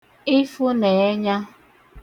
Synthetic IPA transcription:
ɪ˦fʊ˦ne˨e˦ɲa˦

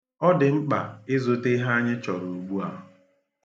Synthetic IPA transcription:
ɔ˦dɪ˨ŋ͡m̩˦k͡pa˨ɪ˦zo˦te˦ɦa˦a˦ɲɪ˦t͡ʃɔ˨ɾu˨u˨ɡ͡bu˦a˨ɦʊ˨

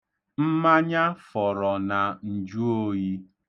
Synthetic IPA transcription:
m̩˦ma˦ɲa˦fɔ˨ɾɔ˨na˨n̩˨d͡ʒu˦o˦ji˦

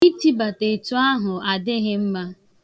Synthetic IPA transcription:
i˦ti˦ba˨te˨tu˦a˦ɦʊ˨a˨dɪ˦ɦɪ˦m̩˦ma˦

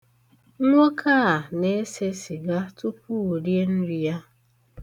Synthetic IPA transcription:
ŋʷo˦kʰa˦˨a˨ne˦se˦si˨ɡa˦tu˦pu˦u˨ɾje˦n̩˦ɾi˨ja˦

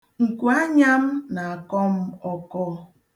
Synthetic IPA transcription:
ŋ̩˨kʷu˨a˦ɲa˦m̩˦na˨a˨kɔ˦m̩˦ɔ˦kɔ˦

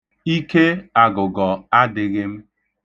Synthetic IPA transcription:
i˦ke˦a˨ɡʊ˨ɡɔ˨a˦dɪ˨ɣɪ˦m̩˦

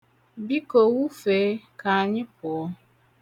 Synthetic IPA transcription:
bi˦kə˨wu˦fe˨˦ka˨ɲi˦pɔ˨˦

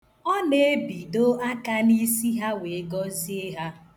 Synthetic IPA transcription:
ɔ˦ne˨e˦bi˨do˦a˦ka˦ni˦si˦ɦa˦we˨˦ɡɔ˦zi˦e˦ɦa˦

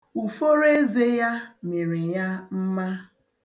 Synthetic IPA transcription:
u˨fo˦ɾe˦ze˦ja˦me˨ɾi˨ja˦m̩˦ma˦

